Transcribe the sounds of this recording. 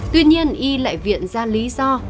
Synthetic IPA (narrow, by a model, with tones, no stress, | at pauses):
t̪wi˧ɲi˧ənʔi˧la̰ː˧˨jvḭ˧˨ənzaː˧nli˨˦zɔ˧